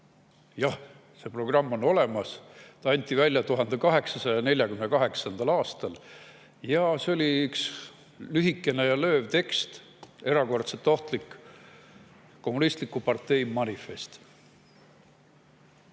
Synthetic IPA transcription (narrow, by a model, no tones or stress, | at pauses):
jɑh | se̞pro̞ɡ̥rɑmːo̞no̞le̞mɑst̪ɑɑnʲt̪ːˑivælʲjɑt̪uɦɑnd̪̥e̞kɑɦe̞ksɑsɑjɑne̞lʲjɑkymnekɑɦe̞ksɑnd̪̥ɑlɑːst̪ɑl | jɑse̞o̞lʲiyks | lyɦikːˑe̞ne̞jɑlø̞ːvt̪e̞kst̪ | e̞ɾɑko̞rt̪se̞t̪ːˑo̞ht̪lik | o̞mːunist̪likːˑupɑrt̪e̞jmɑnʲife̞st̪